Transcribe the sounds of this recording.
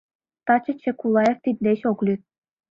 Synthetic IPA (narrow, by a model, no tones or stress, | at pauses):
t̪ɑt͡ɕɤ̆t͡ɕekulˠɑjeft̪id̪̚nʲeɕoklʲyt̪̚